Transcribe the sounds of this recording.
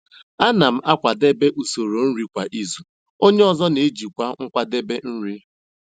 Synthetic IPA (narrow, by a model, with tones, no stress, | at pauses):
a˦na˨m̩˦a˦kʷa˨de˦be˦ʔu˨so˨ɾo˨n̩˦ɾi˦kʷa˨ʔi˦zu˨ | o˦ɲe˦ɔ˨zɔ˦ne˨˦d͡ʒi˨kʷa˦ŋ̩˦kʷa˦de˦be˦n̩˦ɾi˦